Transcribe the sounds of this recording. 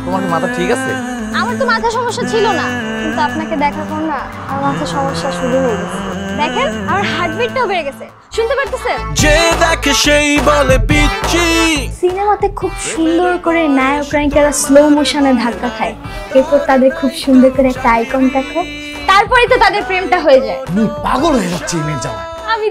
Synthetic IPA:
t̪omaɾkemat̪ʰaʈʰikasʰḛ | amaɾt̪omat̪ʰaʃɔmoʃːat͡ɕʰilona | kint̪uapnaked̪ɛkʰakʰon | amamat̪ʰaʃɔmoʃːaʃud̪ʱuɦoeɡɛt͡ɕʰid̪ɛkʰenamaɾɦaɾɖbiʈʈaobeɾeɡɛt͡ɕʰe | ʃunt̪epaɾt̪esed͡ʑed̪ɛkʰeʃejbolebiʃisinemat̪ekʰubʃund̪oɾkoɾenajokɾajkalaslowmoʃaned̪ʱakːat̪ʰae | kewpɔɾt̪ad̪eɾkʰubʃund̪ʱoɾkoɾeɛk̚ʈaajkɔnt̪ɛkʰe | t̪aɾpɔɾet̪ot̪ad̪eɾpɾemʈaɦojed͡ʑaemiba̰ɡoɽeɾitːt͡ɕʰimid͡ʒa̰n | ami

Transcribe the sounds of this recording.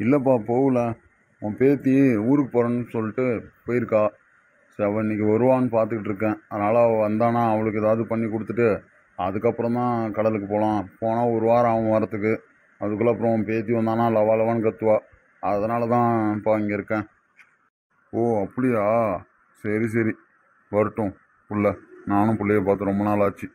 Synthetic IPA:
ɪlːɐpːaːpoʋɯlɐ | õːpeːt̪iuːɾɯkːɯpoːɾɐnːɯsɔlːɪʈːɯpoːjɪɾɯkːaː | seɐʋɐ̃ɪnːik̬ːɯɔɾɯʋaːnɯpaːɾt̪ɯkɪʈːɪɾɯkːẽːɐðɐnaːlɐɐʋɐnd̪aːnãːɐʋɐɭɯkːɯɛðaːʋɯðɯpɐɳːikɔɽɯt̪ːɯʈːɯ | ɐ̰ðɯkːɐpːɯɾɔ̃nt̪ãːkɐɽɐlɯkːɯpoːlãːpoːnaːɔɾɯʋaːɾɐʋɐ̃ʋɐɾɐt̪ːɯk̬ːɯ | ɐðɯkːɯlːɐpːɯɾɔ̃peːt̪iʋɐnd̪aːnːaːlɐʋaːlɐʋaːnkɐt̪ːɯʋaː | ɐðɐnaːlɐt̪ãːpaːɪŋɡɐɪɾɯkːẽː | oːɐpːɐɽɪjaː | sɐɾis̬ɐɾi | ʋɐɾɯʈːʊ̃ | pʊɭːɛnaːnʊ̃pʊlːɛjepaːɾt̪ːɯɾɔmbɐnaːlaːt͡ʃːi

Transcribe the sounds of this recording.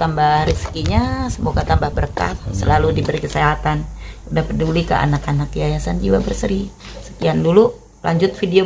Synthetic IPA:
t̪ambahriskiɲasəmuɡat̪ambahbəɾka̰t̪̚səlaludibəɾikəseɦat̪anudahpədulikəʔa̰nakanak̚ːiajasand͡ʒiwabərsəɾisə̥kiandulu | lʔa̰ɲd͡ʒʊt̪̚fideo

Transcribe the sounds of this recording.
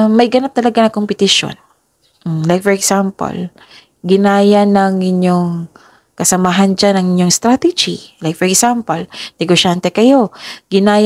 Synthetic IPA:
mɐjɡɐnat̪ːɐlɐɡanɐkompɪt̪ɪʃo̰n | m̩lajk̚fɔɹɛɡsampɐ̰l | ɡɪnaːjɐnɐŋʔɪɲjoŋ | kɐsɐmaːɦɐnd͡ʒanɐŋɪɲjoŋst̪ɾat̪ɛd͡ʒilajkfɔɹɛɡsampɐlnɛɡoʃant̪ɛkɐjo̞ɡɪnaːj

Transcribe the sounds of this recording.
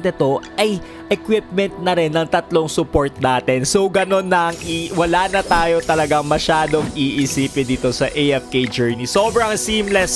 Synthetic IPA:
d̪ɛt̪o̞ʔɐj | ʔɛkwɪp̚mɛnt̪̚nɐɾɛnːɐŋt̪ɐt̪lo̞ŋsʊpo̞ɹt̪̚naːt̪ɛnso̞wɡɐno̞nːɐʔɐŋʔiwɐlaːnɐt̪aːjo̞t̪ɐlɐɡaŋmɐʃaːd̪oŋʔiʔɪsiːpɛd̪iːt̪o̞sɐʔejɛfked͡ʒɛɹnisobɾɐŋsiːmlɛs

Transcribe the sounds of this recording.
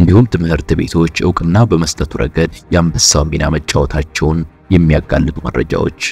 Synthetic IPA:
ʔɨnd̪ihumt̪ʰɨmhɨɾt̪ɨbe̞̰t̪ʰo̞t͡ʃːʔɨwkʼɨnːabəməst̪ʼət̪ʰuɾʔə̰ɡəd̪jambəsawmina̰mət͡ʃʼːawɔt̪ʰat͡ʃːɛwn | jɛmːijaɡalːɨt̪ʰuməɾːə̰d͡ʒa̰wo̞̰t͡ʃː

